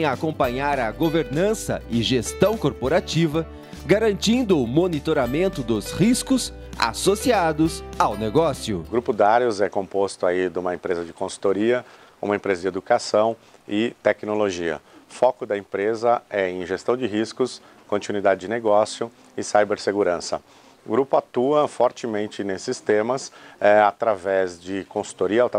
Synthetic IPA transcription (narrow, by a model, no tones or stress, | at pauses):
j̃aːkõmpɐɲaɾɐɡoveɾnɐ̃sɐ̰ɪʒest̪ɐ̃w̃koɾpoɾat͡ʃivɐ | ɡaɾɐ̃nt͡ʃĩnd̪ʊːmonit̪oɾamẽnt̪ʊd̪ʊzhiskʊs | a̰sosiad̪ʊzawneɡɔsjʊɡɾupʊd̪aɾjʊzɛkõpost̪ʊaid̪ũmɐẽmpɾezɐd͡ʒɪkõsu̥t̪oɾiɐ | ṵ̃mɐẽpɾezɐd͡ʒɪed̪ukasɐ̃w̃ | ɪt̪ɛknoloʒiɐ̰fɔkʊd̪ɐẽmpɾezɐɛẽj̃ʒest̪ɐ̃w̃d͡ʒɪɦiskʊs | kõnt͡ʃinwid̪ad͡ʒɪd͡ʒɪneɡɔsjʊ | ɪsajbeɾseɡuɾɐ̃sɐ̰ | ɡɾupʊat̪uɐfɔɾt͡ʃɪmẽnt͡ʃɪnesɪst̪ẽmɐsɛat̪ɾavɛzd͡ʒɪkõsu̥t̪oɾiɐawt̪